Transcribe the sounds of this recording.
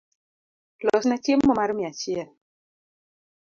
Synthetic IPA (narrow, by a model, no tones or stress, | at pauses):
lɔsnat͡ʃemːɔmaɾmiat͡ʃjɛl